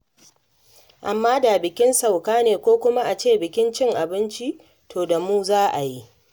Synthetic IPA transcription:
ʔa˨mːaː˦da˨bɪ˨kʲɪ˦nsa˨wkaː˦neː˨kʷoː˦kʷʊ˦ma˦ʔa˨t͡ʃeː˦˨bɪ˨kʲɪ˦nt͡ʃɪ˦ŋʔa˨bɪ˦nt͡ʃi˦ | tʰoː˨da˨muː˦zaː˦ʔa˨ji˦ʔ

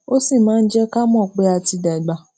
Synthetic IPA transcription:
o˦si˦˨mãː˨˦n̩˦d͡ʒɛ˦ka˦mɔ̃˦˨k͡pe˧˦a˨ti˧da˨i˨ɡ͡ba˨

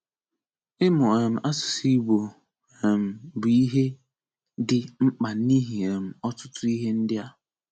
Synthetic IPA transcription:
ɪ˦mʊ˨e˨m̩˨ʔa˦sʊ̥˨si˦bo˨ | e˨m̩˨bi˦ɦe˦ | dɪ˨ŋ͡m̩˦k͡pa˨ni˦ɦi˨e˨m̩˨ɔ˦tʊ˦tʊ˦i˦ɦe˦n̩˦dɪ˦a˦

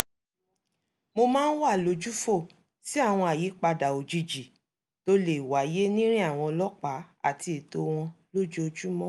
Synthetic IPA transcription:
mo˧mãː˦n̩˦wa˦˨lo˨˦d͡ʒu˦fo˦˨ | si˦a˦˨w̃ɔ̃˧a˨jiː˨˦k͡pa˧da˨o˨d͡ʒi˧d͡ʒi˨ | to˦le˨wa˨˦je˦nĩ˦ɾĩ˦a˦˨w̃ɔ̃˧lɔ˦k͡pa˨˦a̰˦˨ti˧i˨to˧w̃ɔ̃˧lo˦d͡ʒo˦o˧d͡ʒu˦mɔ̃˦

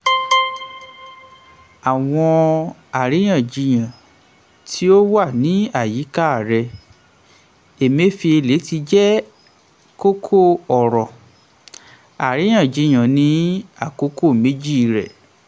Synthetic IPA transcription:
a˨w̃ɔ̃˧a˨ɾi˨˦j̃ã˦˨d͡ʒi˧j̃ã˨ | tʰi˦o˦wa˦˨nĩ˨˦a˦˨ji˨˦ka˦a˨ɾɛ˧ | e˨me˦fi˧e˧le˨˦ti˧d͡ʒɛ˦ | ko˦kʰo˦˨ɔ˨ɾɔ˨ | a̰˨ɾi˨˦j̃ã˦˨d͡ʒi˧j̃ã˨nĩ˨˦a˦˨ko˦ko˦˨mẽ˨˦d͡ʒi˦˧ɾɛ̰˨

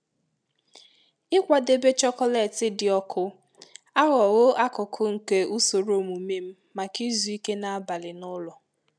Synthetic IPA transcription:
ɪ˦kʷa˨de˦˨be˦t͡ʃɔ˦kɔ˦le˨tɪ˦dɪ˨ɔ˦kʰʊ˦ | a˦ɣɔ˨ɣʊ˦ʔa˦kʊ˨kʰʊ˦ŋ̩˨ke˨u˦so˨ɾo˦˨mu˨me˦m̩˦ | ma˨ki˦zu˨˦i˦ke˦na˨a˦ba˨lɪ˨nʊ˦lɔ˨

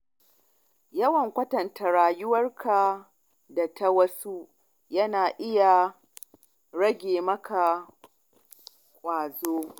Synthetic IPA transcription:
jɐ˦wɐ˨ŋkʷɐ˦tɐ˨ntʰa˨ɾaː˨jʊ˦wɐ˦rka˨ | da˨tʰa˦wɐ˦su˦ | jɐ˦naː˨ʔɪ˦ja˨ | ɽɐ˦ɡʲeː˨mɐ˦kʰa˨ | kʷʼaː˨zoː˦

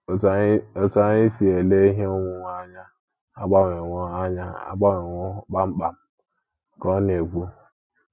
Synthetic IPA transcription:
o˨sa˨ɲi˦si˨e˨le˦i˦ɦe˦o˦ŋʷʊ˦ŋʷ˦a˦ɲa˦ | a˦ɡ͡ba˦ŋe˨ŋʷo˦a˦ɲa˦a̰˦ɡ͡ba˦ŋe˨ŋʷo˦k͡pa˦m̩˦k͡pa˨m̩˨ | kɔ˦n˦e˨ɡʷu˦

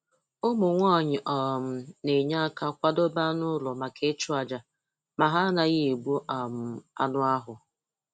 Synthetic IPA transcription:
ʊ˦mʊ˨ŋʷɔː˦˨ɲɪ˨ʔɔ˨m̩˦ne˨ɲa˦ka˦kʷa˦do˦ba˦nʊ˦lɔ˨ma˨ke˦t͡ʃu˦a˨d͡ʒa˨ | ma˨ɦa˦na˨ɣɪ˦e˨ɡ͡bu˦ʔa˨m̩˨a̰˨nʊ˦a˦ɦʊ˨

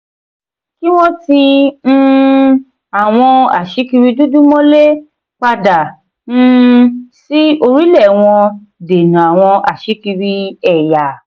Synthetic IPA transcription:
ki˦w̃ɔ̃˦ti˧n̩˦˧ | a˨w̃ɔ̃˧a̰˨ʃi˨˦ki˧ɾi˧du˦du˦mɔ̃˦le˦ | k͡pa˧da˨ | ñ̩˦si˦o˧ɾi˦lɛ˦˨w̃ɔ̃˧ | de˨nũ˨a˨w̃ɔ̃˧ʔa˨ʃi˨˦ki˧ɾi˧ɛ˦˨ja˨

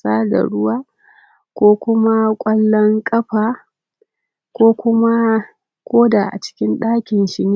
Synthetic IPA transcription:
saː˦da̰˨ɽʊ˦waː˦ | kʷoː˦kʷʊ˦ma˦kʷʼɐ˦lːɔ˦ŋkʼɐ˦ɸaː˨ | kʷoː˦kʷʊ˦ma˦ | kʷoː˦da˨ʔa̰˨t͡ʃɪ̥˦kʲɪ˦nɗaː˦kʲɪ˨nʃɪ˨niː˦

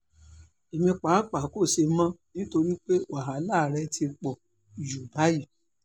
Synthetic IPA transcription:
e˨mĩ˧k͡pa˨˦k͡pa˨˦ko˦˨se˧mã˦nĩ˦to˧ɾi˦k͡pe˦wa˨ɦa˨˦la˦˨ɾɛ˧˦tʰi˧k͡pɔ˨ | d͡ʒu˨ba˦ji˦˨

